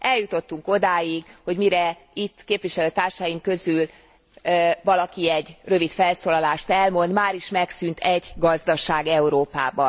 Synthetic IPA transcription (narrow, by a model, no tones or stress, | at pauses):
ɛljut̪o̞t̪ːuŋko̞d̪aːjiɡho̞ɟmiɾɛit̪ːkeːpviʃɛløːt̪aːrʃajimkø̞zyl | vɒlɒkiɛɟrø̞vit̪fɛlsoːlɒlaːʃt̪ɛlmo̞nd̪maːɾiʃmɛksynt̪ʰɛɟɡɒzd̪ɒʃaːɡɛuɾoːpa̰ːbɒn